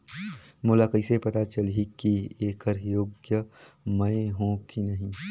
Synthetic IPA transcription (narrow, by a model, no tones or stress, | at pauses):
moːlakɐisepɐt̪at͡ʃɐlikieːkəɾjoːɡjəmɐ̃ɦõkinɐɦĩ